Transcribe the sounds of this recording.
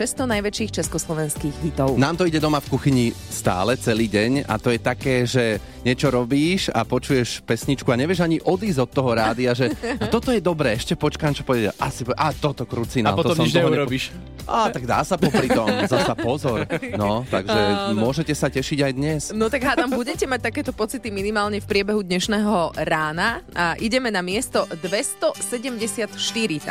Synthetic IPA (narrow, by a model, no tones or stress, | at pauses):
ʃɛst̪ɔnajʋɛt͡ʃiːxt͡ʃɛskɔslˠɔʋɛnskiːɣɦit̪ɔʊnaːmt̪ɔiɟɛd̪ɔmafkuxiɲi | st̪a̰ːlɛt͡sɛliːɟɛɲa̰t̪ɔjɛt̪akɛːʒɛ | ɲɛt͡ʃɔɾɔbiːʃa̰pɔt͡ʃujɛʃpɛsɲit͡ʃkuaɲɛʋɪɛʒaɲiʔɔd̪iːzɔt̪ːɔɦɔɾaːd̪iaʒɛat̪ɔt̪ɔjɛd̪ɔbɾɛːɛʃcɛpɔt͡ʃkaːmt͡ʃɔ̥pɔʋɛɛɛ̰ʔasipɔʔaːt̪ɔt̪ɔkɾut͡sinapɔt̪ɔɔmɔmimd͡ʒɲɛuɾɔbiʃ | ʔaːt̪aɡd̪a̰ːsapɔpɾit̪ɔmzasapɔzɔɾnɔt̪a̰ɡʒɛmʊɔʒɛcɛsacɛʃiɟajd̪ɲɛsnɔt̪aɡɦaːt̪ambuɟɛcɛmac̚t̪akɛːt̪ɔpɔt͡sit̪iminimaːlɲɛfpɾɪɛbɛɦud̪ɲɛʃnɛːɦɔɾaːnaaʔiɟɛmɛnamɪɛst̪ɔd̪ʋɛst̪ɔsɛɟɛmɟɛsɪat̪ʃt̪iɾi